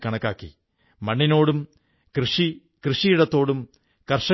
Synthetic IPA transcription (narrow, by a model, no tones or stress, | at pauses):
kɐɳɐkːaːkːḭ | mɐɳːino̞ːɽum | krɨʂi | krɨʂijiɽɐt̪ːo̞ːɽum | kɐrʂɐ